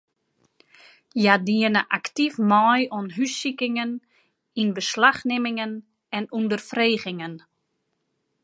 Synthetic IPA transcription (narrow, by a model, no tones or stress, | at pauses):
jadiənəʔaktifmɔjɔnɦysikɪŋən | inbəslaxnɪmɪŋən | ɛnundərfreːɣɪŋən